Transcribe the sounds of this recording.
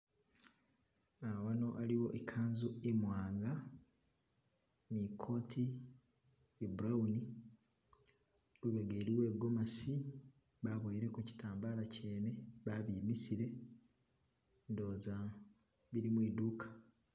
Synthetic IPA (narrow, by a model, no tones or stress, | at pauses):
awano̞ʔaliwo̞ʔekʰaːnzuemwaːŋɡa | nikʰo̞ːtʰi | ebuɾawuni | luβe̞ɡeːɾiwe̞ːɡo̞masi | βaβojɾe̞kuci̥tʰaːmbaːlaceːne̞βaβiːmisiɾe̞ | ndo̞ːza | βiɾimwiːduːkʰḁ